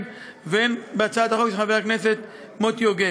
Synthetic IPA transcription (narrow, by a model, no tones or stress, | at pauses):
venbeat͡saad̪haχokʃeχaveakneset̪ | mot̪joɡe